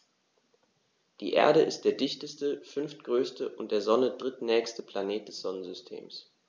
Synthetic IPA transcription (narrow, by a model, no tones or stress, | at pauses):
d̥ḭːʔḛːɐɾəʔɪst̚d̥eːɐdɪçtəstəfʏnftɡ̥ʁøːstəʔʊnt̚d̥eːɐzɔnədʁɪtnɛːçstəpʰl̥aneːt̚d̥ɛsz̥ɔnənzʏstʰḛːms